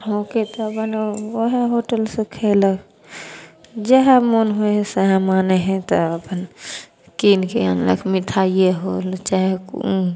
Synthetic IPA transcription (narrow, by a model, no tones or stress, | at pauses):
ɦoket̪ɔəpənoɦeɦoʈəlsekʰelək | d͡ʒɛɦemonɦoeɦsəɦɛ̃maneɦɛ̃t̪ɔəpən | kinkeə̰nlə̰kʰmit̪ʰaieɦolt͡ʃaɦek